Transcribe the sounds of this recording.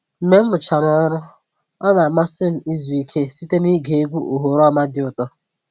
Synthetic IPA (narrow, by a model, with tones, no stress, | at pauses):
m̩˦me˦m̩˦ʊ˨t͡ʃa˨ɾɔ˦ɾʊ˦ | ɔ˦na˨ma˦sɪ˦n̩˨i˦zu˨i˨kʰe˦si˦te˦ni˦ɡe˨e˦ɡʷu˦ʔo˨ɦo˨ɾɔ˦ma˦dɪ˨ʊ˨tɔ˦